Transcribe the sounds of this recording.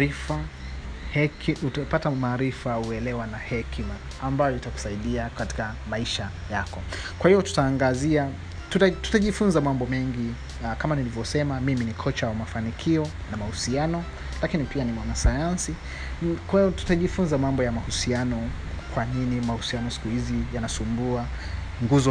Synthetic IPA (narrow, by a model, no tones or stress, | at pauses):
ifa | hɛkutapatamaːɾifauɛlɛwanahɛkimaː | mbajɔitaku̥saiɗiakati̥ka | maiʃa | jakɔkwahijɔtu̥taːŋɡazia | tutatu̥taʄifunzamambɔmɛŋɡi | kamanilivjɔsɛmamiminikʰɔt͡ʃawamafanikʰiɔ | namahusianɔ | lakinipianimwanasajansi | kwaiɔtu̥taʄifunzamambɔjamahusianɔ | kwaninimahusianɔsi̥kuhizijanasumbua | ŋɡuzɔ